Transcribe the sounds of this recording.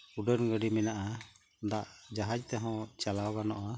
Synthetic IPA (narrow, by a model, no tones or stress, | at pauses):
uɖənɡəɖimɛnaʔa | d̪aʔd͡ʒaɦad͡ʒt̪ɛɦɔ̃t͡ʃalawɡanɔʔa